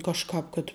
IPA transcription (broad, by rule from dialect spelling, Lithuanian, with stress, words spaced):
kɐʃˈkɑːp kɐt